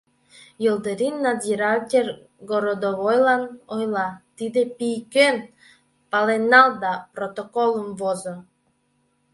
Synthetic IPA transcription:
jɯlˠd̪ɯɾinːɑd̪ʲiɾakʲer | ɡoɾod̪oβojlˠɑnojlˠɑt̪id̪epijken | pɑlenɑlˠd̪ɑprot̪okolˠəmvozo

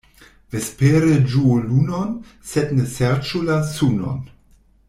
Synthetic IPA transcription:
vespeɾəd͡ʒuolunɔnsɛtnəsɛʁt͡ʃulasunɔ̰n

